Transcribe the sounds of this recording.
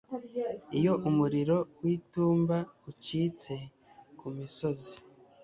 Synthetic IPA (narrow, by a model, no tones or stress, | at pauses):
ijo̞ʔumuɾiɾo̞wiːtuːmbauciːt͡se̞ | kumiso̞zi̥